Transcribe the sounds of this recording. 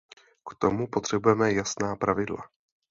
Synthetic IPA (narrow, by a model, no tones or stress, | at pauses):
kt̪o̞mupo̞t̪r̝̥ɛbujɛmɛjasnaːpɾavɪdla̰